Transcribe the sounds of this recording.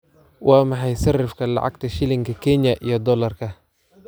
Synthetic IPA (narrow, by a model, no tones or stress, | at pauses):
wʔɑːmɑħɑjsɐrɪfkʰɐlɑ̰ʕɑ̰ɡt̪ʰɐʃɪlɪŋkʰɐkʰɛnjɐʔijɔd̪ɔlɐrkʰɐ